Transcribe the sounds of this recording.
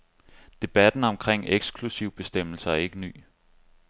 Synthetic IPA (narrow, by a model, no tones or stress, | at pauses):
d̥e̝b̥æd̥n̩ɒ̽mkʰʁeŋ̰eɡ̥skʰlusiʊb̥e̝sd̥em̰l̩sɐæɐe̝ɡ̥əny̰ː